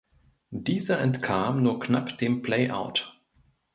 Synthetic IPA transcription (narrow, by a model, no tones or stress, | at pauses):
d̥iːzɐʔɛntkʰaːmnuːɐknapd̥eːmpl̥ɛɪʔa̰ʊt